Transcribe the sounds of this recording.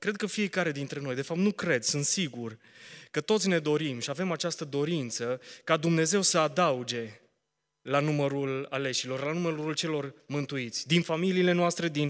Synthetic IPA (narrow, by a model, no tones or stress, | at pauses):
kɾe̞d̪̚kəfie̞kaɾe̞d̪int̪ɾe̞no̞jd̪e̞fap̚t̪nukɾe̞d̪sunt̪siɡur | kət̪o̞t̪sʲne̞d̪o̞ɾimʃiave̞mat͡ʃast̪əd̪o̞ɾint̪səkad̪umne̞ze̞wsəad̪aud͡ʒe̞ | lanuməɾula̰le̞ʃilo̞rlanumeɾuɾult͡ʃe̞lo̞rmɨnt̪uit̪sʲd̪infamiliːle̞noast̪ɾe̞d̪in